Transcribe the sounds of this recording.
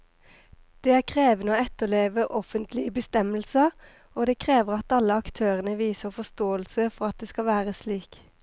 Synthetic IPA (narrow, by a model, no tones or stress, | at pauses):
d̪̥eːæːʁkʰʁeːʋnəoːɛt̪əleːʋəʔɔfənt̪lɪəbəst̪ɛməlsəʁ | oːd̪eːkʰʁeːʋəʁɑt̪ɑlːəɑkt̪ʰøːʁənəʋiːsəʁfɔst̪oːəlsəfɔʁɑt̪̚d̪eːskɑʋæːʁəsliːk